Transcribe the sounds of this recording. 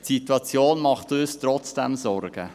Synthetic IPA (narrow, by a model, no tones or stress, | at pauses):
tsitwɑt͡sjoːnmɑχtøːstɾɔt͡sd̥ɛ̰mzɔɾɡ̥ə